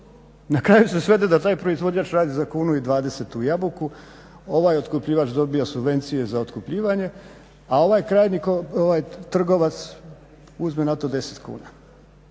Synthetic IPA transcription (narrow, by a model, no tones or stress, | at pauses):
nakɾajuse̞sʋe̞d̪ed̪at̪aːjpɾo̞izʋo̞d͡ʑaːt͡ʃɾaːd̪izakuːnuid̪ʋaːd̪e̞se̞t̪ujabuku | o̞ʋaːjot̪kupʎiːʋat͡ʃd̪o̞biosubʋe̞nt̪sije̞zao̞t̪kupʎiːʋaɲe̞ | ao̞ʋaːjkɾaːjnikooʋajt̪r̩ɡo̞ʋat̪s | uzmenat̪o̞d̪e̞set̪kṵːna